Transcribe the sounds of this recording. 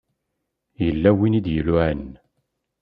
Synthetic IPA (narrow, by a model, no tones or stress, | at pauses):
jəlːæwinid̪jəlʊʕən